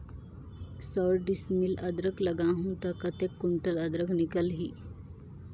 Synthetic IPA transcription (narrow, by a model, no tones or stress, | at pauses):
səɾɖismiləd̪ɾəkləɡãɦũt̪akət̪ekːuɳʈələd̪ɾəkʰnikəlɦiː